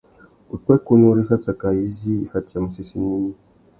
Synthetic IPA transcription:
u˨twɛ˦ku˦ɲu˦ɾi˦sa˦sa˨ka˨i˦ziː˦˨fa˨ti˨a˨mu˨si˦si˨ɲi˦ɲi˦

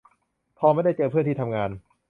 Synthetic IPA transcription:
k̪ʰɔː˧ma˥˩jda˥˩jt͡ɕɤː˧pʰɯ˥˩nt̪ʰiː˥˩t̪ʰmŋaː˧n

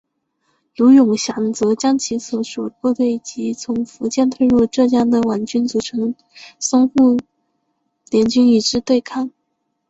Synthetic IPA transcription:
lu˧˥jʊ˨˩ŋɕjɑ˧˨˩ŋt͡sɤ˧˥t͡ɕjɑ˥ŋt͡ɕʰi˧˥swɔ˧˥ʂɔ˨˩kɔ˥˧t̪we˥˩ɪt͡ɕi˧˥t͡sʰʊ˧˥ŋfu˧˥t͡ɕjɛ˥˧nt̪ʰwe˥˧ɪɻu˥˧ʈ͡ʂɤ˥˧t͡ɕjɑ˥˩ŋd̪ə˩wa˧˥˩nt͡ɕy˥nt͡su˨˩ʈ͡ʂʰɤ˧˥ŋ | sʊ˥ŋxu˥˩ | ljɛ˧˥nt͡ɕy˥ni˨˩ʈ͡ʂɻ̩˥t̪we˥˧ɪkʰɑ˥˩ŋ

